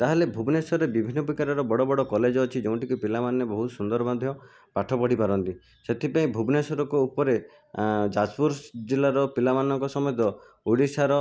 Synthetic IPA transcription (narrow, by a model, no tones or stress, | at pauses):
t̪aɦelebʱubnesɔɾebibʱinːɔbikaɾɔɾɔbɔɽɔbɔɽɔkɔled͡ʒɔːt͡ʃʰid͡ʒew̃ɳʈikupilamanebɔɦut̪sund̪ɔɾɔmad̪ʱjɔ | paʈʰɔpɔɽ̤ipaɾɔnt̪i | set̪ʰipaĩbʱubnesɔɾɔkɔupɔɾe | d͡ʒaspuɾsd͡ʒilːaɾɔpilamanɔŋkɔsɔmɔjɔt̪ɔ | uɽisaɾɔ